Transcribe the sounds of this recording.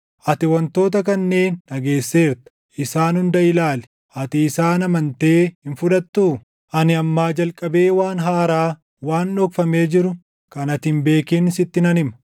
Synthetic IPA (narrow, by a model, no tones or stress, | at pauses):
ʔɐt̪ɪwɐnt̪o̞ːt̪ɐkɐnːe̞ːnːɐɡe̞ːsːe̞ːɾt̪ɐ̥ | ɪsaːnʊnd̪ɐɪlaːlɛ̥ | ʔɐt̪ɪːsaːnɐmɐnt̪e̞ːhɪnfʊᶑɐt̪ːuː | ʔɐnɪɐmːaːd͡ʒɐlkʼːɐbe̞ːwaːnɦaːɾaː | waːnːɔkfɐmeːd͡ʒɪɾʊ | kɐnɐt̪ɪmbe̞ːkɪːnɪsɪt̪ːɪnɐnɪmɐ